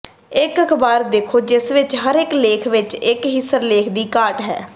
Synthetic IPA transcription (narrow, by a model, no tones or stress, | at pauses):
ɪkəkʰbaːɾd̪eːkʰoːd͡ʒɪsʋɪt͡ʃɦəɾɪkleːkʰʋɪt͡ʃɪkɦɪsəɾleːkʰd̪iːkaːʈɦɛ̰ː